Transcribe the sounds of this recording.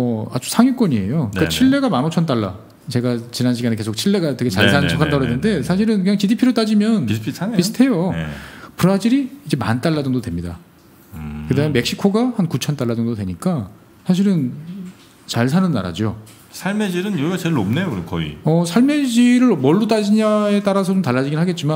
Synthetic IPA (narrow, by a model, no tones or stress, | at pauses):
ʌa̰d͡ʑu̥sʰaŋjuk͈ʌɲie̞̰joikat͡ɕʰiɭːe̞ɡamanot͡ɕʰʌnt̬͈aɭːa̰ | t͡ɕe̞ɡat͡ɕinanɕ̬ʰiɡaneke̞sʰok̚t͡ɕʰiɭːe̞ɡat͈ɯket͡ɕaɭs̬ʰanɯnt͡ɕʰakʰantaɾoɦenːɯnde̞sʰaɕ̬ʰiɾɯnkɯɲaŋt͡ɕidipʰiɾot͈ad͡ʑimjʌnpʰipisʰɯ̥tʰe̞jo̰ | pɯɾad͡ʑiɾiːd͡ʑe̞ma̰nt͈aɭːadɯŋdodwe̞mɲida̰ | kɯdameme̞kɕ͈ikʰoɡahankut͡ɕʰʌnt͈aɭːadɯŋdodwe̞ɲik͈a | sʰaɕ̬ʰiɾɯn | t͡ɕaɭsʰanɯnːa̰ɾa̰d͡ʑo | sʰaɭmed͡ʑiɾɯnjoɡat͡ɕeɭnomne̞jokɾɯkʌḭʌsʰaɭme̞d͡ʑiɾɯɭmʌɭːut̬͈ad͡ʑiɲae̞t͈aɾasʰʌt͡ɕomtaɭːad͡ʑiɡinɦaɡe̞t̚t͡ɕ͈ima